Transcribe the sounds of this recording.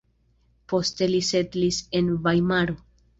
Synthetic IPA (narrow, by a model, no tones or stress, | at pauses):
po̞ste̞lisetlise̞nvajmaɾo